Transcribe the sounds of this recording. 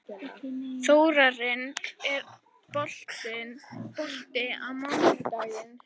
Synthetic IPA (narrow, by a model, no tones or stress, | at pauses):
θowɾaɾɪnɛɾ | pɔl̥t̪ɪnpɔl̥t̪ɪawmawɪspaðɪn